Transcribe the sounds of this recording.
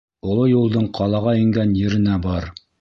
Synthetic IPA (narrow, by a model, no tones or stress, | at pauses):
ŏlˠojulˠd̪ɤɴqʰɑlˠɑʁɑĭŋɡænjɘ̆ɾɘ̆næbɑɾ